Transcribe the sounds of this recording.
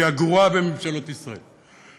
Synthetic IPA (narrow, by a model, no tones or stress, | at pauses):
aɡʁuabememʃalot̪isʁaḛl